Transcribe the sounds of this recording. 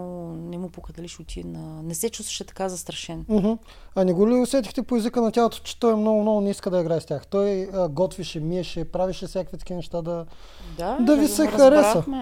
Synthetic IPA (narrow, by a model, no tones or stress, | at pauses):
nɛmupokɐd̪ɐliʃʊt̪ʲinɐnɛsɛt͡ʃust̪vɐ̥ʃɛt̪ɐ̥kazɐst̪ɾɐʃɛnm̩ɦm̩ | ɐnɛɡʊliʊsvɛt̪ixt̪ɛpoɛzikənɐtʲjalˠot̪o̥t͡ʃɛ̥t̪ɔjɛmnoɡʊmnɔɡʊnʲiskəd̪ɐiɡɾaɛst̪ʲjaxt̪ɔjəɡɔt̪viʃɛmiɛʃɛpɾaviʃɛfsʲjakvit̪kʲinɛʃt̪ad̪ɐ | d̪ad̪ɐvisɛxɐɾɛsə